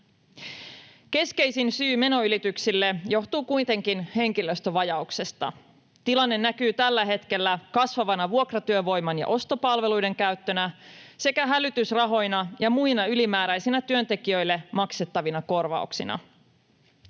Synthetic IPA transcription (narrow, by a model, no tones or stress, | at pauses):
ke̞ske̞jsinsyːme̞no̞ylit̪yksilːejo̞ht̪uːkujt̪e̞ŋk̟inhe̞ŋkiløst̪øʋɑjɑukse̞st̪ɑ̰ | t̪ilɑnːe̞nːækyːt̪ælːæɦe̞t̪ke̞lːækɑsʋɑʋɑnɑʋuokrɑt̪yøʋo̞jmɑnjɑ̰ʔo̞st̪o̞pɑlʋe̞lujde̞ŋkæɥt̪ːønæse̞kæɦælyt̪ysrɑɦo̞jnɑjɑmujnɑylimæːɾæjsinæt̪yø̞nt̪e̞k̟iø̞jlːe̞mɑkse̞t̪ːɑʋinɑko̞rʋɑ̰uksinɑ̰